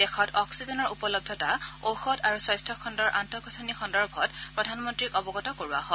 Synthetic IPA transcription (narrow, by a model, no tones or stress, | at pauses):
d̥ɛxɔtɔksizɔnɔɹupɔlɔb̚dʱɔtaowxɔtaɹuswɔjstʰɔkʰɔndɔɹʔantɔkɔtʰɔnixʰɔndɔɹbʱɔt̚pɹɔdʱanmɔntɹikɔbɔɡɔtɔkoɹua̰ɦɔ